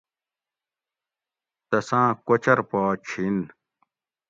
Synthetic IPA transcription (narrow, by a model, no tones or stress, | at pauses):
t̪ɐsãːkot͡ɕɐɾpɔːt͡ɕʰin